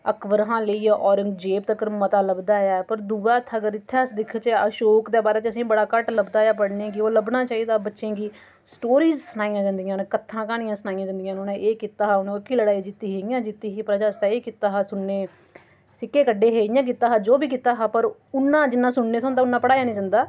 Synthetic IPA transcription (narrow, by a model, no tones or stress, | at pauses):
əkʋəɾɦãːləiːʔɔːɾɪŋd͡ʒeːp̚t̪əkəɾmət̪aːləbd̪aːjaːpəɾd̪uːʋaːt̪ʰːɡəɾɪt̪ʰːeːsd̪ɪkʰt͡ʃːəʃoːkd̪eːbaːɾeːt͡ʃəsĩːbəɽaːkəʈləbd̪aːjaːpəɽneːkɪoːləbnaːt͡ʃaːiːd̪aːbətːʃẽːɡiː | sʈoːɾiːzsənaːijãːd͡ʒãːnd̪ɪjãːnkət̪ʰːãːkaːnɪ̃jãːsənaːijãːd͡ʒãːnd̪ɪjãːnonẽʔeːkit̪ːaːɦaːʊñːkiːləɽaːiːd͡ʒɪt̪ːiːɦeːɪjãːd͡ʒɪt̪ːiːɦiːpəɾd͡ʒaːst̪ɛːeːkiːt̪aːɦaːsʊɳːeː | sɪkːeːkəɖːeːɦeːɪjãːk̬iːt̪ːaːɦaːd͡ʒoːbiːkiːt̪ːaːɦaːpəɾʊnːãːd͡ʒɪnːãːsʊɳːeːsãːnd̪aːʊnːãːpəɽaːjaːnĩːd͡ʒãːnd̪aː